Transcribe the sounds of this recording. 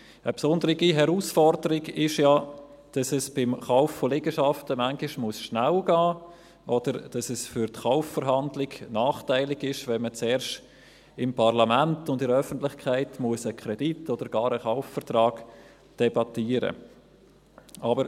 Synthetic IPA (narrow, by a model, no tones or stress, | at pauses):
əpsʊndəɾɪɡiɦɛɾuːsfɔrdəɾɪɡɪʃja | d̥ɑsɛsb̥ɪmχaʊfːolɪɡəʃɑftəmaŋɡɪʃmʊəsʃnælɡ̥ɑː | ʔɔd̥əɾd̥ɑsɛsfʏɾtχaʊffəɾɦɑndlɪɡnɑːχtaɪlɪɡɪʃʋɛnmət͡sɛːɾʃt | ɪmpʰɑʁlɑmæntʊndɪɾəœfəntlɪχkʰaɪtmuəsəkʰɾɛd̥itʰɔd̥əɾɡɑːɾəχaʊffəɾtɾɑːɡ̥ | d̥ɛbɑtiːəɾə̰ | ʔɑbəɾ